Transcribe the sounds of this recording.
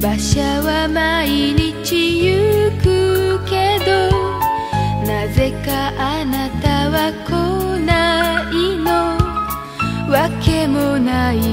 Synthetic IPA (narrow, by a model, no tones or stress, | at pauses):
baɕaβamaiɲit͡ɕijɯkɯked̪o̞ | naze̞kaʔanat̪aβakonaino | βake̞monai